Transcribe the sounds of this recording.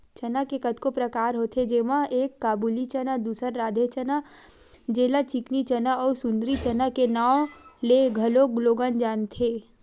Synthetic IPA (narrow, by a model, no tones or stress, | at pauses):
t͡ʃɐnakekət̪kopɾɐkaːɾɦot̪ʰed͡ʒeːmãʔeːkːaːbuːlit͡ʃənad̪uːsəɾːaːd̪ʱet͡ʃəna | d͡ʒeːlat͡ʃɪknit͡ʃənaɔːɾsʊ̃nd̪ɾit͡ʃənakenaːwleɡʱɐloɡloːɡənd͡ʒaːnt̪ʰeː